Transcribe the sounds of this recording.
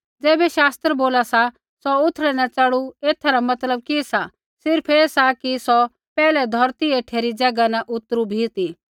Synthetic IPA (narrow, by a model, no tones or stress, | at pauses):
d͡zɛːbɛʃaːst̪ɾəboːlasa | sɔʊt̪ʰːɽɛnɛt͡ʃaɽueːt̪ʰaɾamɐt̪ləb̚kisa | sɪɾpʰeːsakisɔ | pɛːlɛd̪ʱɔɾt̪ieʈʰeːɾid͡ʒɐɡanaʔʊt̪ːəɾubʱiːt̪i